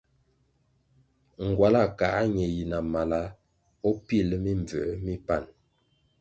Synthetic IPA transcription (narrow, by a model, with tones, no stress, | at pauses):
ŋ̩˨ɡwa˨la˦˨ka˨˦ɲɛ˨ji˨na˨ma˨la˦ | ɔ˦pi˦˨lmi˦ɱ˨b͡və̰˨˦mi˦pa˦˨n